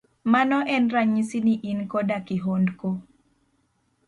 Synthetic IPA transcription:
manɔʔɛnɾaɲisiniʔinkɔdakɪɦondko

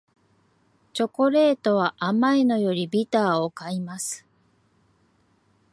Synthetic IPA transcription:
t͡ɕo̞ko̞ɾe̞ːt̪o̞β̞aʔamaeno̞jo̞ɾʲibʲit̪aːo̞kaimasɨ̥

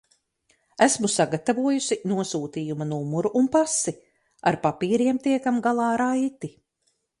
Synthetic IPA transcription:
æsmusaɡat̪avuɔjusinuɔsuːt̪iːjumanumuɾuʔunpasi | a̰ɾpapiːɾiɛmt̪iɛkamɡalˠɑːɾajt̪i

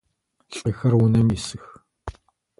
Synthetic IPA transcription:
ɬʼixɐrwʊnɐmjisɨx

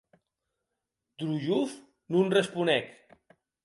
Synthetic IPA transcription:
d̪̥ɾuʒuf | nunrespunɛk

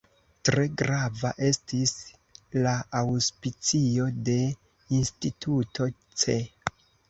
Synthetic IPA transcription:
tɾe̞ɡɾavaʔe̞stis | laawspit͡sio̞de̞ | institʰutʰo̞t͡se̞

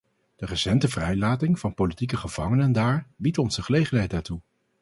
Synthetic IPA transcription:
d̥ərəsɛntəvrɛjlaːtɪŋvɑnpowlitikəχəv̥ɑŋənəndaːɹbitɔnzəχəlejχənɦɛjtaːtu

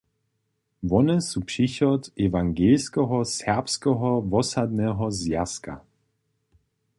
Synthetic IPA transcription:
vɔnəsupʂiɕɔt̪ɛvaŋɡelskɛɦɔsɛʁpskɛɦɔvɔsad̪nɛɦɔzjaska̰

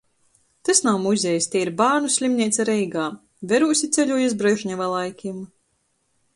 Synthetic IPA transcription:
t̪asnawmuzʲɛjst̪ʲeːiɾbaːɾnusʲlʲimnʲiɛt̪saɾɛjɡaː | vʲɛɾusʲit̪sʲɛlʲuɔjisbɾɛʒɲʲavalˠajkʲim

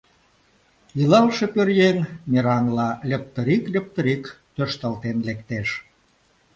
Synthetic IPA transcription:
jɯlɑlʃepørjeŋmeɾɑŋlɑlʲə̆p̚t̪əɾiklʲə̆p̚t̪ə̆ɾik | t̪øʃt̪əlt̪enlekt̪eʃ

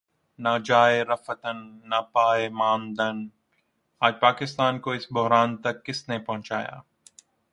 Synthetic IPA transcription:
nad͡ʒaːeɾɐfət̪ənːapaːemaːnd̪ən | aːd͡ʒpaːkɪst̪aːnkoɪsbʊɦɾaːnt̪ɐkːɪsnepɐɦʊ̃t͡ʃaːja̰ː

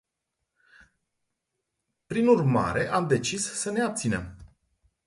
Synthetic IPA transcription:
pɾinurma̰ɾe̞ʔamd̪e̞t͡ʃisːəne̞ap̚t̪sine̞̰m

